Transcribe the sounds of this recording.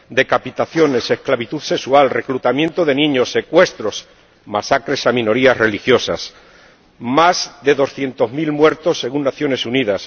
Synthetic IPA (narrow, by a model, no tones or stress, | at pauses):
d̪e̞kapit̪aθjo̞ne̞se̞hklaβit̪uθse̞ksualre̞klut̪amjẽ̞nt̪oðe̞nĩɲo̞sːe̞kwe̞st̪ɾo̞s | masakɾe̞samĩno̞ɾiazre̞lixjo̞sa̰s | mazðe̞ðo̞sθjent̪o̞zmilmwe̞ɾt̪o̞sːe̞ɣunːaθjo̞ne̞suniðas